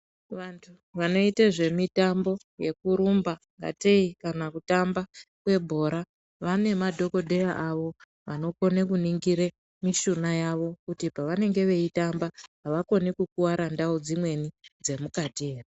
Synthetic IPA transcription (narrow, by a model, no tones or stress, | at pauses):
ʋantʰu | ʋano̞iteʐe̞mitambo̞ | je̞kuɾumba | ŋɡa̰te̞ikanakutambakwe̞bʱo̞ːɾa | ʋane̞madʱo̞ko̞dʱe̞raʔaʋo̞ | ʋano̞ko̞nekuniŋɡiɾe | miʃunajaʋo̞kutipaʋane̞ŋɡe̞ʋe̞itambaɦaʋako̞nikukuwaɾandaud͡zimwe̞nid͡ze̞mukatie̞ːre